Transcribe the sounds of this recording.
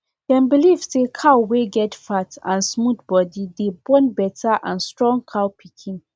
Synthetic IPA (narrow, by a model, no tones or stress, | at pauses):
d̥ɛ̃nbilivsekʰaʊweɡɛtfatʰãnsmudbɔdidebɔ̃nbɛtʰaʔã̰nstɹɔ̃ŋkʰaʊpʰikʰĩn